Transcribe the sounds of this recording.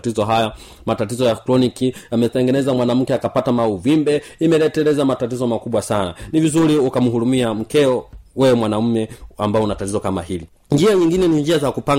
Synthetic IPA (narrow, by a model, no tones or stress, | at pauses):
tizɔɦaja | matatizɔjaklɔnikiamɛtɛŋɡɛnɛzamwanam̩kɛakapatamauvimbɛimɛlɛtɛlɛzamatatizɔmakuɓwasana̰nivizuɾiukam̩ɦuɾumiam̩kɛɔwɛwɛmwanam̩mɛambaɔunatatizɔkama̰hili | ɲd͡ʒiaɲiŋɡinɛniɲd͡ʒiazakupa